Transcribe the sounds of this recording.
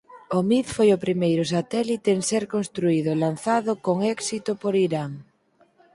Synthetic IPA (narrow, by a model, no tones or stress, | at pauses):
omiθfojopɾimejɾʊsat̪ɛlit̪eenseɾkonst̪ɾuiðʊelan̟θaðʊkoŋɛksit̪opoɾiɾaŋ